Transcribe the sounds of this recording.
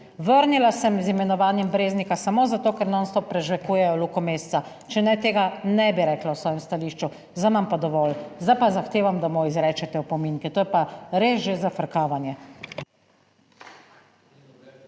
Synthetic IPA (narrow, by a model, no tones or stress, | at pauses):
ʋəɾnilasɛmzimɛnɔʋaːnjɛmbɾeːznikasamoːzat̪oːkɛɾnɔnst̪ɔpɾɛʒʋɛkuːjɛjɔlukɔmeːst̪sa | t͡ʃɛnɛt̪eːɡanɛbiɾɛːklawsʋɔːjɛmst̪aliːʃt͡ʃu | zamampad̪ɔʋɔːlzd̪ajpazaxt̪eːʋamd̪amɔizɾɛːt͡ʃɛt̪ɛupɔmiŋkɛt̪oːjɛpaɾezʒezafəɾkaːʋanjɛ